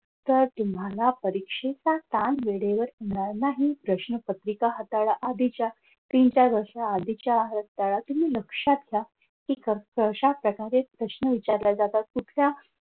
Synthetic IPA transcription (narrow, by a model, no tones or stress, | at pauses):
t̪əɾt̪um̤alapəɾikʂet͡sat̪anʋeɽeʋəɾɦeɽ̃aɾnaɦipɾəɕɳəpət̪ɾikaɦət̪aɭaʔad̪ʱit͡ɕja | t̪int͡ɕaəɾʂaːd̪ʱit͡ɕjaɦət̪aɭat̪um̤iːləkʂat̪ɡʱja | kikəkəɕapɾəkaɾepɾəɕɳəʋit͡ɕaɾlad͡zat̪at̪̚kuʈ̪ʰlja